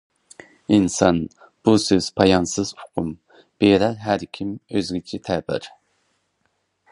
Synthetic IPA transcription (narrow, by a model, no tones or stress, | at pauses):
insɑn | b̥usøz̥pʰɑjɑnsɨzʊ̥qʰʊm | b̥eɾɛɾɦæɾkʲʰimøzɡʲit͡ʃʰit̪ʰɛbɪ̰ɾ